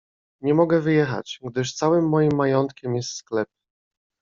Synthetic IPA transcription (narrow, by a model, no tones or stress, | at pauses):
ɲɛmɔɡɛvɘjɛxa̰t͡ɕɡd̪ɘʂt̪sawɘmːɔjimːajɔnt̪kʲɛmjɛst̪sklɛp̚